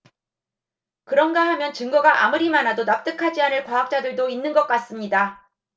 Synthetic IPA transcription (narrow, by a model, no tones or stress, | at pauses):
kɯɾʌnɡahamjʌnt͡ɕɯŋɡʌɡaʔamuɾimanɦadonap̚t͈ɯkʰad͡ʑianɯɭkwaɦak̚t͡ɕ͈adɯɭdoinːɯnɡʌk͈̚as͈ɯmɲida